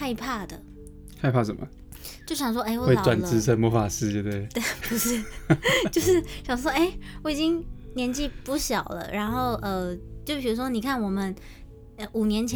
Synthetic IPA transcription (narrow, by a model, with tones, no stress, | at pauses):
a˥˧ɪpʰa˥˩d̪ə˩ | xa˥˧ɪpʰa˥˩ʂə˨˩mə̰˦ | t͡ɕjo˥˩ʊɕjɑ˨˩ŋʂ̬wɔ˥ʔe˥ɪwɔ˥we˥˩˥wa˨nt͡s̩˥t͡sʰə˥mwɔ˧˥fa˨˩sɹ̩˥t̪we˧˩t̪we˥˩ɪt̪we˥˩ɪpu˧˥ʂɻ̩˥˩t͡ɕjo˥˧ʊʂɻ̩˥˩ɕjɑ˨˩ŋʂ̬wɔ˥e˥˩ɪwɔ˧˩i˨˩t͡ɕi˥ŋnjɛ˧˥nt͡ɕi˥˧pu˥˩ɕjɑ˨˩ʊlə̰˦ɻa˧˥nxo˥˩ʊʔə˧t͡ɕjo˥˩ʊpʰi˨˩ɻu˧˥ʂ̬wɔ˥ni˨˩kʰa˥˩nwɔ˨˩mə˦n | ə˧u˨˩njɛ˧˥nt͡ɕʰ